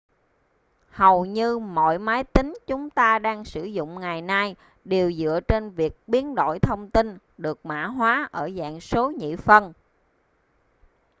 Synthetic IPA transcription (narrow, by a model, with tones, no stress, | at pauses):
hə˨˩wɲɨ˧mo̰˧˨jmaː˨˦jt̪ï˨˦ŋ̟t͡ɕʊ˨˦ŋ͡mt̪aː˧ɗaː˧ŋsɨ˧˩zʊ̰˧˨ŋ͡mŋa˨˩jna˧j | ɗe˨˩wzɨ̰˧˨ət͡ɕe˧nvi˨˩ək̚ɓi˨˦ənɗo̰˧˨jt̪ʰə˧wŋ͡mt̪i˧n | ɗɨ˨˩ək̚ma̰ː˧˥ɦwaː˨˦ʔəː˧˩za̰ː˧˨ŋso˨˦ɲḭ˧˨fə˧n